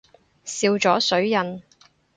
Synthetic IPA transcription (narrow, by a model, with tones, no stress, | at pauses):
siː˧wt͡ʃɔː˨˥sɵ˨˥ɥjɐ˨n